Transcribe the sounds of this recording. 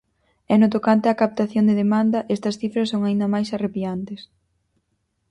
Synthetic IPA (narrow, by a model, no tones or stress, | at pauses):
ɛnʊt̪okant̪eɐkap̚t̪aθjoŋd̪eðemand̪ɐʔest̪ɐsθifɾɐsːoŋaind̪ɐmajsarepiant̪es